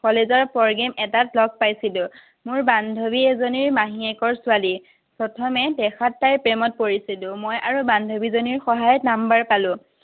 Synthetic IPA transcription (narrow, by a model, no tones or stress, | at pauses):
kɔlezɔɹpɔɹɡɛmʔɛtatlɔk̚pajsilʊ̃ | mʊɹbandʱobiɛzoniɹmaɦiɛkɔɹsʊali | pɹɔtʰɔmɛdɛxatːajpɹɛmɔt̚poɹisilʊ̃mojʔaɹubandʱobizoniɹxɔɦajtnambaɹpalʊ̃